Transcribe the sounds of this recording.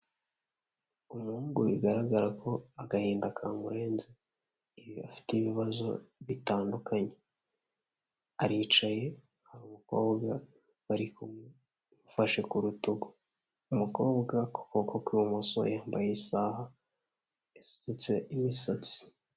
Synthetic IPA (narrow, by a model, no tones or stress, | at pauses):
umuhuːŋɡuʔiɡaɾaɡaɾakʰo̞aɡahiːndakʰaŋɡuɾeːnzi | iβiafi̥teβiβazo̞̰βitaːndukʰaɲe̞ | aɾiːt͡ʃaje̞ | haɾuːmuko̞ːbɡa | βaɾiku | mufaʃe̞kuɾutuɡo̥ | umuko̞ːbɡako̥kokokwiwumuso̰jaːmbajisaːha | esi̥set͡se̞imisat͡si̥